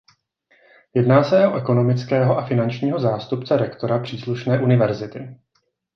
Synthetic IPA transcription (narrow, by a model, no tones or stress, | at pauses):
jɛdnaːsɛo̞ʔɛko̞no̞mɪt͡skɛːɦo̞ʔafɪnant͡ʃɲiːɦo̞zaːst̪upt͡sɛɾɛkt̪o̞ɾapr̝̥iːsluʃnɛːʔunɪvɛɾzɪt̪ɪ